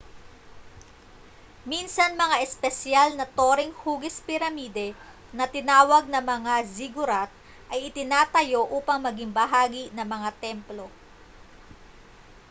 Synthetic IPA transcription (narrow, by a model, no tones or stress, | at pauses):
minsɐnmɐŋaʔɛspɛsjalnɐt̪oːɾɪŋhuːɡɪspɪɾɐmiːd̪ɛ | nɐt̪ɪnaːwɐɡ̚nɐmɐŋaziɡʊɾat̪̚ | ʔɐjɪt̪ɪnaːt̪ɐjo̞ʔuːpɐŋmɐɡiŋbɐɦaːɡinɐŋmɐŋat̪ɛmplo̞